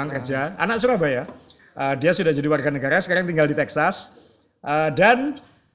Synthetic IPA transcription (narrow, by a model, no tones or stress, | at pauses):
aŋkərd͡ʒanʔa̰naʔ̚suɾabaja | ʔədiasudahd͡ʒadiwarɡanəɡaɾasə̥kaɾaŋt̪iŋɡaldit̪ɛksas | ʔədan